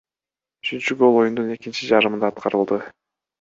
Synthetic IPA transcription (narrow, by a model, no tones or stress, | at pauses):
yt͡ʃynt͡ʃyɡo̞lˠo̞jund̪une̞kint͡ʃid͡ʒɑɾɯmɯnd̪ɑːt̪qɑɾɯlˠd̪ɯ